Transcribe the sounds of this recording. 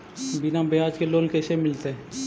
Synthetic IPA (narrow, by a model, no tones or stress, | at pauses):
bɪnãːbeaːd͡ʒkeloːnkeʃemɪlt̪eɛ̃ː